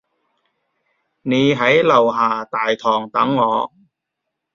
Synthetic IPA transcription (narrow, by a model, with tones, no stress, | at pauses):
ne˨˧˥ɦɐ˨˥jlɐ˨˩wɦaː˨˩t̪aː˨˩jt̪ʰɔː˨˩ŋt̪ɐ˨˥ŋːɔː˨˧